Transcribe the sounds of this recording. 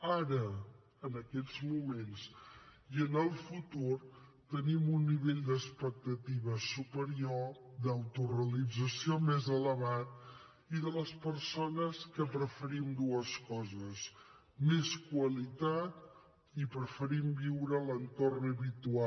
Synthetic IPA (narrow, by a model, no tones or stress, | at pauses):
aɾə | ənəkɛd͡zmumensiənəlˠfut̪uɾ | t̪ənimunːiβeʎd̪əspək̚t̪ət̪iβəsupəɾiod̪əwt̪urəlid͡zəsiomezələβat̪̚ | iðələspəɾsonəskəpɾəfəɾimd̪uəskɔzəs | meskwəlit̪at̪̚ | ipɾəfəɾimbiwɾələnt̪ornəβit̪ua